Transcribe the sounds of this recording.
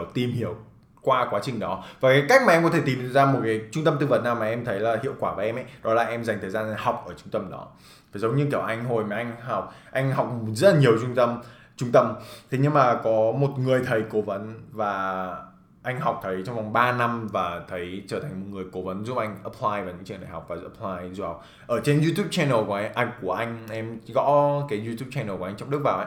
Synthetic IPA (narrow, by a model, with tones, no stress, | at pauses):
t̪i˨˩mhi˨˧˩əw | kwaː˧kwaː˨˦t͡ɕï˨˩ŋ̟ɗɔ˨˦vaː˨˩kaː˨˦jka˦˥k̚maː˨ɛ˧mkɔ˨˦t̪ʰe˧˩t̪i˨˩m˨˧˨zaː˧mo˨˩t̚kaː˨˦t͡ɕʊ˧ŋ͡mt̪ə˧mt̪ɨ˧və˨˩naː˨˩wmaː˨˩ʔɛ˧mt̪ʰə˨˦jlaː˨˩hḭ˧˨əwkwaː˧˩vəː˨˦ʔɛ˧mʔɛ̰˧˥˦jɗɔ˨˦la̰ː˨˩ʔɛ˧mza˨˩ŋt̪ʰəː˨˩jzaː˧nʔŋha˨˩wk͡p̚ʔəː˧˩t͡ɕʊ˧ŋ͡mt̪ə˧mɗɔ̰˨˦ | vaː˨˩zə˨˦wŋ͡mɲɨ˧ki˧˩əwʔa˧jŋ̟ɦo˨˩jmaː˨˩ʔa˧jŋ̟ha˨˩wk͡p̚ʔa˧jŋ̟ɦa˨˩wk͡p̚zə˦˥t̚laː˨˩ɲi˨˩əwt͡ɕʊ˧ŋ͡mt̪ə˧m | t͡ɕʊ˧ŋ͡mt̪ə˧mt̪ʰe˨˦ɲɨ˧ŋmaː˨˩kɔ˨˦mo˨˩t̚ŋɨ˨˩əjt̪ʰə˨˩jko˨˦və˨˦nvaː˨˩ | ʔa˧jŋ̟ɦa˨˩wk͡p̚t̪ʰə˨˦jt͡ɕɔ˧wŋ͡mva˨˩wŋ͡mɓaː˧na˧mvaː˨˩t̪ʰə˨˦jt͡ɕəː˧˩tʰa˨˩ŋmo˨˩ŋɨ˨˩əjko˨˦və˨˦nzu˦˥p̚ʔa˧jŋ̟ʔə˨˩pʰlaː˧jva˨˩wɲɨ̰˧˥ŋt͡ɕɨ̰˧˨ə˨nɗa̰ː˧˩ha˨˩wk͡p̚vaː˨˩˦ə˨˩pʰlaː˧jzu˧˥˩ha˨˩k͡p̚ | ʔəː˧˩t͡ɕe˧nzu˧t̪ʰu˦˥p̚t͡ɕɛ˧nə˨˩kʔa˧jŋku˧˩əʔa˧jŋ̟ʔɛ˧mɣɔ̰˧˥kaː˨˦jzu˧t̪ʰu˦˥p̚t͡ɕɛ˧nəː˨˩kːa˧ŋ̟t͡ɕɔ˧wŋ͡mɗɨ˦˥k̚vaː˨˩wʔa˧˦